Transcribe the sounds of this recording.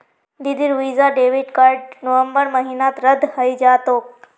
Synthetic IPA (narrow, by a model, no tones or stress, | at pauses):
d̪id̪iɾʋizaɖeʋiʈkaɾɖnəʋəmbəɾməɦinat̪ɾəd̪ʱhəjd͡ʑat̪oːk̚